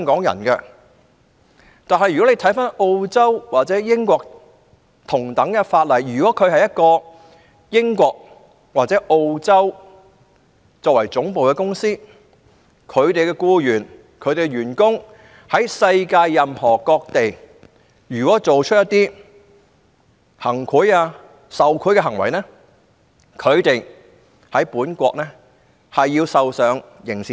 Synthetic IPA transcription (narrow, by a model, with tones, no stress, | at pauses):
ŋkɔː˨˥ŋjɐ̰˨˩nkɛ˧ | t̪aː˨nɦɐ˨jy˨kɔ˨˥e˧t̪ʰɐ˨˥jfaː˥no˧wt͡sɐ˥wwaː˨t̚t͡sɛː˨˥jɪ˥ŋkʷɔː˧k̚ | t̪ʰʊ˨˩ŋt̪ɐ˨˥ŋkɛ˧faː˧t̚lɐ˨˩jjyː˨˩kɔː˨˥kʰɵ˨˧ɥhɐ˨jɐ˥t̚kɔː˧ | jɪ˥ŋkʷɔː˧k̚ | waː˨t̚t͡sɛː˨˥ʔo˧wt͡sɐ˥w | t͡sɔː˧k̚wɐ˨˩jt͡sʊ˨˥ŋpo˨wkɛ˧kʊ˥ŋsiː˥ | kʰɵ˨˧ɥt̪e˨jkɛː˧kuː˧jyː˨˩n | kʰɵ˨˧ɥt̪e˨˩jɥyː˨˩nkʊ˥ŋ | hɐ˨˥jsɐ˧jkaː˧jːɐ˨mhɔː˨˩kɔː˧k̚t̪e˨j | jyː˨˩kwɔː˨˥t͡so˨wt͡ʃʰɵ˥t̚jɐ˥t̪iː˥ | hɐ˨˩ŋkʰu˨˥jaː˧ | sɐ˨wkʰu˨˥kɛː˧ɦɐ˨˩ŋwɐ̰˨˩jnɛː˥ | kʰɵ˨˧ɥt̪e˨j | hɐ˨˥jpuː˨˥nkʷɔ̰ː˧k̚nɛː˥ | hɐ˨jːiː˧wsɐ˨wsœː˨˧ŋ | jɪ˨˩ŋsi˨